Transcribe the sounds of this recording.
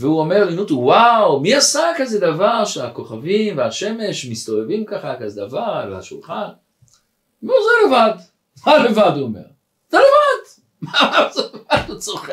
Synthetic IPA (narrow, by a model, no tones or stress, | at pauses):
veuome̞ʁlinut̪uwawmiasakazed̪avaʁʃeako̞χavimveaʃe̞me̞ʃmist̪o̞vevimkaχakazed̪avaʁlehaʃulχan | mozelevad | malevaduome̞̰ʁ | zelevad | mamazelevad̪ut͡soχe